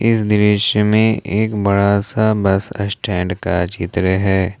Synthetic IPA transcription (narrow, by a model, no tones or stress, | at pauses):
ɪsd̪ɪɾɪʃəmẽʔeːkbɐɽasabɐsə̰sʈʰɛ̃ːɳɖkat͡ʃɪt̪ɾəɦɛː